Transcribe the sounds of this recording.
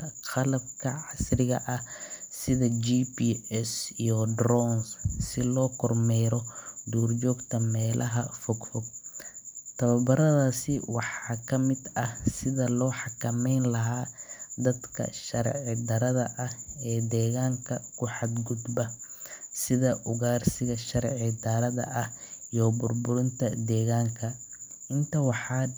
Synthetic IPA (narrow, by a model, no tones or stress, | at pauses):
qɑlɐb̚kʰɐʕɑsrɪɣɐ̰ʔɐhsɪðɐd͡ʒiːpiːɛsijɔd̪rɔnssɪlɔːkʰɔrmɛjɾɔd̪uːrd͡ʒɔːɡt̪ʰɐmɛːlʔɐɦɐfɔɡfɔɡ̚ | t̪ʰɐβɐbɐɾɐðaːsɪwɑħɑːkʰɐmɪd̪ɐhsɪðɐlɔːħɑkʰɐmɛjnlɐɦaːd̪ɐd̪kʰɐ̰ʃɐɾʕɪd̪ɐɾɐðɐʔɐhɛːd̪ɛːɣaːŋkʰɐkʰʊħɑd̪ɡʊd̪bɐ | sɪðɐʔʊɣaːrsɪɣɐʃɐɾʕɪd̪ɐɾɐðɐ̰ʔɐhijɔbʊrbʊɾɪnt̪ʰɐd̪ɛːɣaːŋkʰɐ | ɪnt̪ʰɐwɑħɑː